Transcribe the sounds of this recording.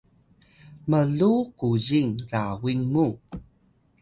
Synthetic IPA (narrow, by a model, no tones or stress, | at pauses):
məɮukuziŋrawiŋmu